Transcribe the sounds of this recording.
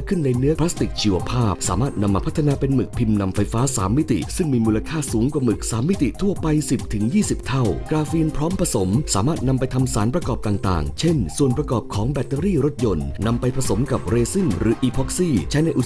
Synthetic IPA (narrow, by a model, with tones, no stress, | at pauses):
kʰɯ˥˩nːa˧jnɯ˦˥ɐpʰɾa˦˥st̪i˨˩k̚t͡ɕʰiː˧wa˧pʰaː˥˩p̚sa̰ː˩˦maː˥˩t̪̚na˧mːaː˧pʰa˦˥t̪ʰːa˧naː˧pe˧nmɯ˨˩k̚pʰi˧mna˧mfa˧jfaː˦˥sa̰ː˩˦mːi˦˥t̪ḭ˨˩sɯ˥˩ŋmiː˧muː˧la˧kʰaː˥˩suː˩˦ŋkwa˨˩mɯ˨˩k̚saː˩˦mːi˦˥t̪i˨˩t̪ʰu˥˩ɐpa˧jsi˨˩p̚t̪ʰɯ˩˦ŋjiː˥˩si˨˩p̚t̪ʰa˥˩wkɾaː˧fiː˧npʰɾɔː˦˥mpʰɾa˧so˩˦msaː˩˦maː˥˩t̪̚na˧mpa˧jt̪ʰa˧msaː˩˦npɾa˧kɔː˨˩p̚t̪aː˨˩ŋt̪a̰ː˨˩ŋt͡ɕʰe˥˩nsu˨˩ənpɾa˧kɔː˨˩p̚kʰɔː˩˦ŋbɛ˨˩t̪ːe˧ɾiː˥˩ɾo˦˥t̪̚jo˧nːa˧mpa˧jpʰɾa˧so˩˦mka˨˩p̚ɾeː˧si˥˩ŋɾɯː˩˦ʔiː˧pʰɔ˦˥k̚siː˥˩t͡ɕʰa˦˥jna˧jʔu˨˩